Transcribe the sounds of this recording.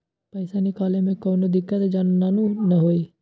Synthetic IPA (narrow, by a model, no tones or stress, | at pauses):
pəɪsanɪkaːlemẽkoːnod̪ɪkːət̪d͡ʒannaːnunɐɦoːi